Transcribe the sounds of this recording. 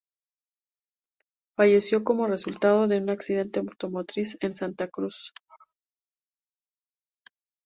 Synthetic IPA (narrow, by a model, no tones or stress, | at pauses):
faʝe̞sjo̞ko̞mo̞re̞sult̪að̞o̞ðe̞unaksiðe̞nt̪e̞mot̪o̞mot̪ɾise̞nsant̪akɾus